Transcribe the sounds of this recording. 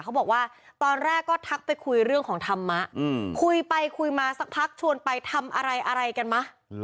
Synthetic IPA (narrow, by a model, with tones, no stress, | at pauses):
a˦˥wbɔː˨˩k̚waː˥˩ | t̪ɔː˧nɾɛː˥˩kːɔː˥˩t̪ʰa˦˥k̚pa˧jkʰu˧jɾɯ˥˩əŋkʰɔː˩˦ŋt̪ʰa˧mːa˦˥ʔkʰu˧jpa˧jkʰu˧jmaː˧sa˦˥k̚pʰa˦˥k̚t͡ɕʰu˧ənpa˧jt̪ʰa˧mʔa˧ɾa˧jʔa˧ɾa˧jka˧nma˦˥